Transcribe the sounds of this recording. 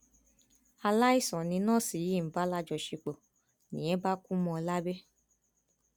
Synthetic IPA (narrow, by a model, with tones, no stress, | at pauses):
a˧la˦i˦˨sɔ̃˨nĩ˧˦nãː˦˨si˨ji˨˦˨m̩˨˦ba˦la˦d͡ʒɔ˨ʃe˧k͡po˨ | nḭ̃˨˦ɛ˦ba˦kũ˦mɔ̃˧la˦be˦